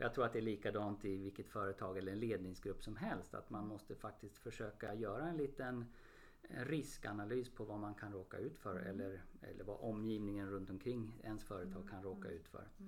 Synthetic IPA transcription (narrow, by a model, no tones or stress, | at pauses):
ɔjaɡt̪ʰɾuːɾat̪̚d̪ɛæɭiːkad̪ɑːnt̪ɪvɪlkːət̪fœːɾət̪ʰɑːɡɛlːəɾɛnleːd̪nɪŋsɡɾɵpːsɔmɦɛlst̪a̰t̪manmɔst̪əfak̚t̪ɪst̪fœʂøːkajœːɾaɛnliːt̪ən | ɛ̰nɾɪska̰nalyːspʰɔvamankʰanɾoːka̰ʉ̟ːt̪fœɾɛ̰lːəɾɛ̰lːəɾva̰ʔɔmːjiːvnɪŋənɾɵnt̪ɔmkʰɾɪŋːɛnsfœːɾət̪ʰɑːɡ̚kʰanɾoːka̰ʉ̟ːt̪fœ̰ɾ